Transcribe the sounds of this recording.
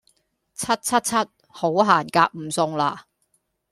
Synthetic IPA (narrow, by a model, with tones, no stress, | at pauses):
t͡sʰɐ˥t̚t͡sʰɐ˥t̚t͡sʰɐ˥t̚ | ho˨˥wɦaː˨˩nkaː˧k̚m̩˨˩sʊ˧ŋlaː˧